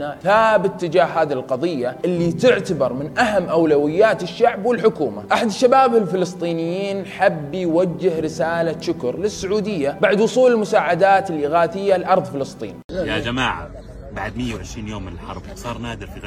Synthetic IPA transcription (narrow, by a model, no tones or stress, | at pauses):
naθaːbɪt̪ːɪd͡ʒaːhːaːðilqɑðˤɨjːaʔɪlːit̪ɪʕt̪abɑɾˤmɪnʔaɦamːʔawlawɪjːaːt̪ɪʃːaʕbwɪlħʊkuːma̰ʔaħad̪ʃːabaːbɪlfɪlɨst̪ˤiːnɪjːiːnħabːjwad͡ʒːɪhɾɪsaːlaʃʊkɾˤlɪsːʊʕuːd̪ɪjːabaʕd̪wʊsˤuːlɪlmʊsaːʕad̪aːt̪ɪlʔɪɣaːθɪjːalʔɑɾˤðˤfɪlɨst̪ˤḭːnijad͡ʒamaːʕa̰ | baʕd̪mɪjːawʕɪʃɾiːnjoːmːɪnɪlħɑ̰ɾˤbsˤɑːɾˤnaːd̪ɪɾfi